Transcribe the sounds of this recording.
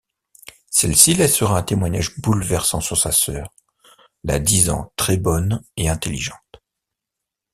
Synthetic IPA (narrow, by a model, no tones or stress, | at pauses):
sɛlsilɛsəʁaɛ̃t̪emwaɲaʒbulvɛʁsɑ̃syʁsasœːʁ | la̰d̪izɑ̰̃t̪χɛbɔneɛ̃t̪eliʒɑ̃t̪